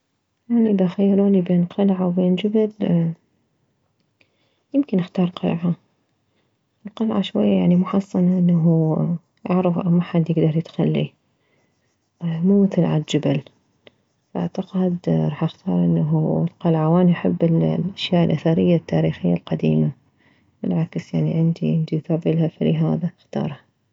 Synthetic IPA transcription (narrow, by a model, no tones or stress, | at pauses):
ʔaniʔɪðaʔxajːɪɾuːnibeːnqɑlʕawbeːnd͡ʒabal | jɪmkɪnʔɪxt̪ɑːɾˤqɑlʕa | ɪlqɑlʕa̰ʃwajːajaʕnimʊħɑsˤːɑnaʔɪnːaɦu | ʔaʕɾɪfʔmaħad̪jɪɡd̪ɑɾˤjɪt̪xalːḭ | muːmɪθɪlʕa̰ld͡ʒabal | fʔa̰ʕt̪aqɪd̪ɾˤɑːħʔɪxt̪ʰɑ̰ːɾˤʔɪnːaɦulqɑlʕawaːnjaħɪbːɪllʔaʃjaːʔɪlʔaθaɾɪjːat̪ʰːaːɾiːxɪjːalqɑd̪ḭːma | bɪlʕaksjaʕniʕɪnd̪iʕɪnd̪ijθaːbɪlhafaliɦaːðaxt̪ɑ̰ːɾˤha